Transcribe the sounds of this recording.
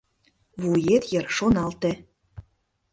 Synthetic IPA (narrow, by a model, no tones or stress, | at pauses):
βujet̪jə̆rʃonɑlt̪ĕ